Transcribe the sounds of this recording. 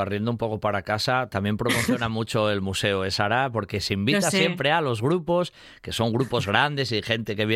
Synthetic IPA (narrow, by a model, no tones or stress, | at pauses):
arje̞nd̪oumpo̞ko̞paɾakasat̪amje̞mpɾomoθjonamut͡ʃo̞elmuse̞oesaɾapo̞ɾke̞seimbit̪assje̞mpɾe̞alo̞zɣɾupo̞s | ke̞so̞ŋɡɾupo̞zɣ̞ɾand̪e̞sixe̞nt̪e̞ke̞βje